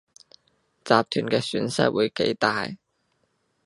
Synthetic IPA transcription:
t͡saː˨p̚t̪ʰyː˨˩nkɛː˧syː˨˥nsɐ̰˥t̚wuː˨˧jke˨˥jt̪aː˨j

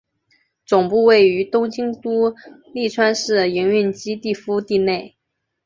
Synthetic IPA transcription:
t͡sʊ˨˩ŋpu˥˧we˥˩ɪy˧˥t̪ʊ˥ŋt͡ɕi˥ŋt̪u˥li˥˩ʈ͡ʂʰwa˥nʂɻ̩˥˩i˧˥ŋy˥˩nt͡ɕi˥t̪i˥˩fu˥t̪i˥˧ne˥˩ɪ

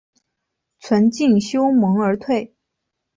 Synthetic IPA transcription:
t͡sʰwə˧˥nt͡ɕi˥˩nɕjo˥ʊmɤ˧˥ŋə˞˧˥t̪ʰwe˥˩ɪ

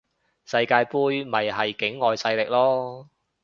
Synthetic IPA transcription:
sɐ˧jkaː˧jpuː˥jmɐ˨jɦɐ˨jkɪ˨˥ŋːɔː˨jsɐ˧jlɪ˨k̚lɔː˥

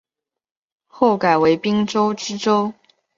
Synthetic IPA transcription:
xo˥˩ʊka˨˩ɪwe˧˥ɪpi˥ŋʈ͡ʂo˥ʊʈ͡ʂɻ̩˥ʈ͡ʂo˥ʊ

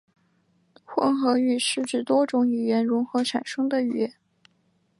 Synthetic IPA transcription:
xwə˥˩nxɤ˧˥y˥˩ʂɻ̩˥˧ʈ͡ʂɻ̩˥˩t̪wɔ˥ʈ͡ʂʊ˧˥ŋi˨˩ɥɛ˧˥nɻʊ˧˥ŋxɤ˧˥ʈ͡ʂʰa˨˩nʂɤ˥ŋd̪ə˨y˥˩jɛ˧˥˦n

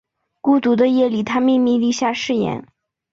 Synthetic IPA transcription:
ku˥t̪u˧˥d̪ə˧jɛ˥˩li˨˩t̪ʰa˥mi˥˧mi˥˧li˥˧ɕja˥˧ʂɻ̩˥˩jɛ̰˧˥˦n

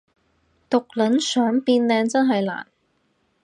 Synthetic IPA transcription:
t̪ʊ˨k̚lɐ˨˥nsœː˨˥ŋpiː˧nlɛː˧ŋt͡sɐ˥nɦɐ˨jla̰ː˨˩n

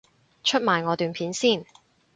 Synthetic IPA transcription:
t͡ʃʰɵ˥t̚maː˨jŋɔː˨˧t̪yː˨˧npʰiː˨˥nsiː˥˩n

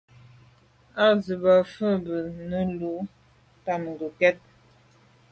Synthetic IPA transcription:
a˦zə˨ba˨fə˦bə˨nə˦lu˨˦ | ta˨m˨ŋ˨ɡə˨kɛ˦t̚

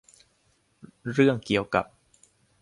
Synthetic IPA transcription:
ɾɯ˥˩əŋki˨˩əwka̰˨˩p̚

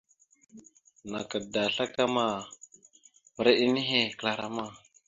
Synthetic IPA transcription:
na˨ka˨da˨ɬa˦ka˦ma˦˨ | m˨ɾe˦ɗi˦ni˦ɦe˦kla˨ɾa˨ma˦˨

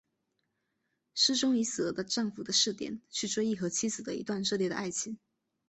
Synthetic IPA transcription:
ʂɻ̩˥˧ʈ͡ʂʊ˥ŋi˧˥s̩˨˩˧d̪ə˧ʈ͡ʂɑ˥˩ŋfu˨˩d̪ə˦ʂɻ̩˥˩t̪jɛ̰˨˩˦nt͡ɕʰy˥˩ʈ͡ʂwe˥ɪi˥˩xɤ˧˥t͡ɕʰi˥sɹ̩˨˩d̪ə˦ḭ˧˥t̪wa˥˧nʈ͡ʂɤ˥˧ljd̪ə̰˩ʔa˥˩ɪt͡ɕʰi˧˥ŋ

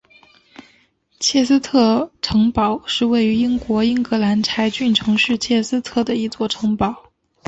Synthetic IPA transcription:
t͡ɕʰjɛ˥˩s̩˥t̪ʰɤ˥˩ʈ͡ʂʰɤ˧˥ŋpɑ˨˩˦ʊʂɻ̩˥˧we˥˩ɪy˧˥i˥ŋkwɔ˧˥i˥ŋkɤ˧˥la˧˥nʈ͡ʂʰa˧˥ɪt͡ɕy˥˩nʈ͡ʂʰɤ˧˥ŋʂɻ̩˥˧t͡ɕʰjɛ˥˩sɹ̩˥t̪ʰɤ˥˩d̪ə˩i˧˥t͡swɔ˥˩ʈ͡ʂʰɤ˧˥ŋpɑ˨˩˦ʊ

